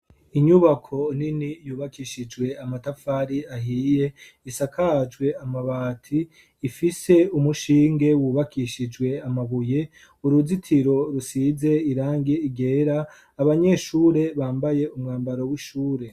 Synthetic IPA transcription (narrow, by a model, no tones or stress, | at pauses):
iɲuβakʰo̞ninijuːβakʰiʃid͡ʒwe̞amatafaɾiaɦiːje̞ | isakʰad͡ʒɡwe̞amaβaːtʰiː | fise̞umuʃiːŋɡe̞wuːβakʰiʃid͡ʒwe̞amaβuje̞ | uɾuzitʰiɾo̞ɾusize̞iɾaːŋɡeiɡe̞ːɾaː | βaɲe̞ʃuːɾe̞βaːmbaje̞umŋaːmbaɾowiʃuːɾe̞